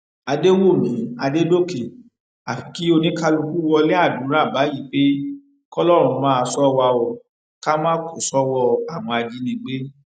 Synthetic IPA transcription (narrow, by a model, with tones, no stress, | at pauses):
a˧de˦wo˦˨mĩ˨˦a˧de˦do˦˨ke˨ | a˨fi̥˨˦ki˨˦o˧nĩ˦ka˦lu˧ku˦wɔ˧lɛ˦a˦˨du˨˦ɾ̃ã˦˨ba˨˦ji˦˨˦k͡pe˦ | kɔ˦lɔ˦ɾ̃ũ˧mãː˦a˧sɔ˦wa˧o˧ | ka˦mãː˦ko˨sɔ˦wɔ˧a˨w̃ɔ̃˧a˧d͡ʒi˦nĩ˧˦ɡ͡be˦